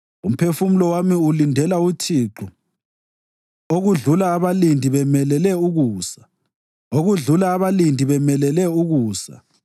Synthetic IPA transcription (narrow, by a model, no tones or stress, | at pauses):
um̩pʰefumulɔwamiulindʱɛlautʰiːǃu | oɣuɮulaːβalindʱiβɛmɛlɛlɛuɣuːsḁ | oɣuɮulaːβalindʱiβɛmɛlɛlɛuɣuːsa̰